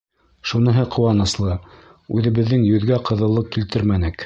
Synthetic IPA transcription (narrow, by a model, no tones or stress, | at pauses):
ʃunɤ̆ɦɤqʰŏwɑnɤ̆slˠɤ | ʉðɘ̆βɘ̆ðːɘŋjɵ̆ðɡæqʰɤ̆ðɤ̆lˠːɤp̚kilt̪ɘɾmænɘk